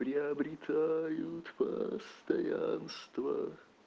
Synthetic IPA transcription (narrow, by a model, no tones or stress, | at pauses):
pɾʲɪɐbɾʲɪt̪ʰajʊt̪pə̰st̪ɐjanst̪və